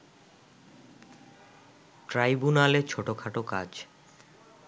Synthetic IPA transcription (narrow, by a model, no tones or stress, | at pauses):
ʈɾajbunalet͡ɕʰoʈokʰaʈoka̰d͡ʑ